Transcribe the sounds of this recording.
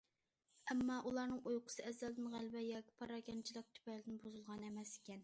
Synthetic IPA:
ɛmːɑʔulˠɑɾnɨŋujqʰʊ̥sɨɛzːɛld̪ɪnʁælbɛjɑːkʲi̥pʰɑɾɑkʲɛnt͡ʃʰilˠɪk̚t̪ʰy̥pɛlɪd̪ɪnbozulˠʁɑnɛmɛsɪ̥kʲɛn

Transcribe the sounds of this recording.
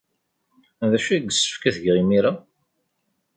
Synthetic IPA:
ðæʃæɡːsːə̥fkæθʝʁimiɾa

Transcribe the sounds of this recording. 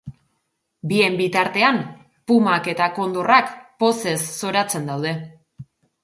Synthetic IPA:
bie̞mbit̪aɾt̪e̞am | pumake̞t̪ako̞nd̪o̞rakpo̞se̞sːo̞ɾat͡se̞nd̪awð̞e̞

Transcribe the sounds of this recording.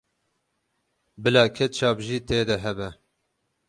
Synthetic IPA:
bɨlɑːkʰɛt̪̚t͡ʃʰɑːbʒiːt̪eːd̪ɛɦɛbɛ

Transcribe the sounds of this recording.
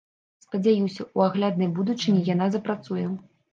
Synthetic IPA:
spɐd͡zʲajusʲɐuaɣlʲad̪nɐjbud̪ut͡ʂɨnʲijanazɐpɾat̪sujɛ

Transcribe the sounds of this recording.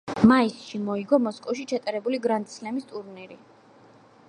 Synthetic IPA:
maisʃimɔiɡɔmɔskʼɔfʃit͡ʃʰat̪ʼaɾɛbuliɡɾant̪sʰlɛmist̪ʼuɾniɾi

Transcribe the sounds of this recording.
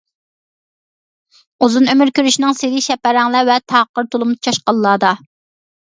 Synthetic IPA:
uzunømyɾkʲøɾyʃinɪŋseɾɪʃɛpæɾɛŋlˠævɛt̪ʰɑqːəɾt̪ʰolˠumd̪ɨt͡ʃʰɑʃqɑlˠːɑːd̪ɑ

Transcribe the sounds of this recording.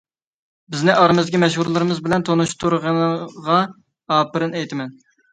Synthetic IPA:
bɪznɪʔɑɾɨmɨzd̪ɪkʲimɛʃhuɾlˠɨɾɨmɨzbɪlɛnt̪ʰonuʃt̪ʰuɾʁɑnʁɑ | ɑːpɨɾɨnɛjt̪ʰɪmɛn

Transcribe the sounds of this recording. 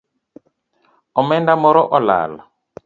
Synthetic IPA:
ɔmɛndamɔɾɔʔɔla̰ːla

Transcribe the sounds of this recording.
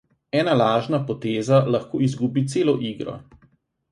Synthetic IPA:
ɛːnalaːʒnapɔt̪eːzalɐxkoːizɡuːbit̪seːlɔʔiːɡɾɔ̰

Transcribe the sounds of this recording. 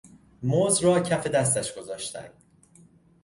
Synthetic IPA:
moːzɾɒːcʰæfe̞d̪æs̬t̪æʃɡ̥o̞zɒːʃt̪æ̰nd̪̥

